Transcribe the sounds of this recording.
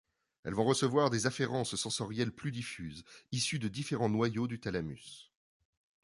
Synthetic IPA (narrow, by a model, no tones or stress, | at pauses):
ɛ̰lvɔ̃ʁəsəvwaʁd̪ezafeʁɑ̃ssɑ̃sɔʁjɛlplyd̪ifyːzisyd̪əd̪ifeʁɑ̃nwajod̪yt̪alamy̰s